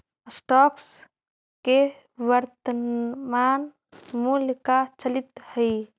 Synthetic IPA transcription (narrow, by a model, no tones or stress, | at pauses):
sʈɔks | ke | ʋəɾt̪əman | mulkat͡ʃəlit̪həj